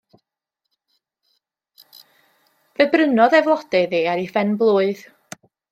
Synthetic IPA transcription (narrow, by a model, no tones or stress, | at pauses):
vəbrənɔðɛvlˠɔd̥ɛðiːaɾifɛnblˠuːɨð̥